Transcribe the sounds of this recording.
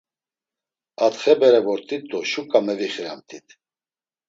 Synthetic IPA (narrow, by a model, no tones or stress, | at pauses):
at̪χɛbɛɾɛvɔɾt̪ʼit̪ʼːɔʃukʼamɛviχɾamt̪ʼit̪ʰʼ